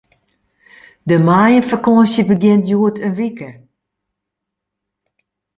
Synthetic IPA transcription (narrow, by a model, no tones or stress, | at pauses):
dəmaːjəfəkoəsjəbəɡɪntjuətʰənʋikə